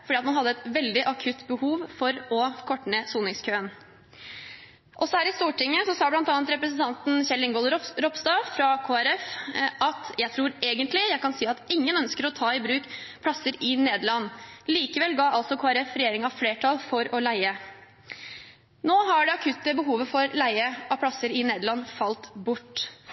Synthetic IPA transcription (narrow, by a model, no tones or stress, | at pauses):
fɔɖiːɑt̪mɑnɦɑd̪ːəɛt̪ʋɛld̪ɪʔɑkʰʉt̪ːbəhuːʋfɔɾɔkʰɔʈɳəsuːnɪŋskʰøːən | ʔɔsːɔhæːɾɪst̪uːʈɪŋːəsɔsɑːblɑnt̪ɑːnt̪ɾɛpɾəsənt̪ɑnt̪n̩ɕɛlːɪŋɡɔlɾɔpst̪ɑːfɾɑkʰoːæɾɛfɑt̪jæɪt̪ʰɾuːɾeːɡənt̪lɪjæɪkɑnsiːɑt̪ɪŋːənœnskəɾɔt̪ʰɑːɪbɾʉːkpʰlɑsːəɾɪneːd̪əlɑnːliːkəʋɛlːɡɑːɑlsɔkʰoːæɾɛfɾɛjeːɾɪŋɑfleːʈʰɑlˠfɔɾɔlæɪə | noːɦɑɖɛɑkʰʉt̪ːəbəɦuːʋəfɔɾlæɪəɑpʰɽɑsəɾɪneːd̪əlɑnːfɑlt̪bʊʈː